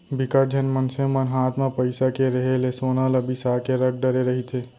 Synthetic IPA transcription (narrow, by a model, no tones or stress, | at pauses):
bɪkəɾd͡ʒʱənmənsẽmənɦaːt̪mẽpəɪsakeɾɐɦelesoːnalɐbisakeɾəɡ̚ɖɐɾeɾɐɦit̪ʰeː